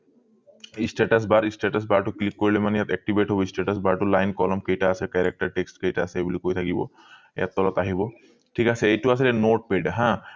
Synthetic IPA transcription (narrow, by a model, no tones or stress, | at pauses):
isʈeʈas̬baɹisʈeʈas̬baɹʈʊklikːoɹilemanɛjat̪ɛk̚ʈibʱeʈɦobɔisʈeʈasbaɹʈʊlajnkɔlɔmkejʈaːsɛkɛɾek̚ʈaɹʈeksʈkejtaːsɛejbulikojt̪ʰakibɔ̰ | ɛ̰jat̪ːɔlɔt̪aɦibɔ | ʈʰikasɛejtuas̬ilɛnoʈ̚peɖɦã